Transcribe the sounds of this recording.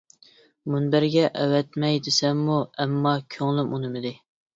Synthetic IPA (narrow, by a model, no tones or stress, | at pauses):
munbæɾɡʲɛʔɛwɛt̪mɛjd̪ɪsɛmːuɛmːɑkʲʰøŋlˠymunɪmɪd̪ɪ